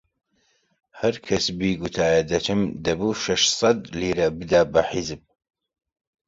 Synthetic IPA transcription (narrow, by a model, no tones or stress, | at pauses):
hɐɾkʰɐsbiːɡut̪ʰaːjɐd̪ɐt͡ʃʰɨmd̪ɐbuːʃɐʃsˤɑd̪liːɾɐbɨd̪aːbɐħizɨb̚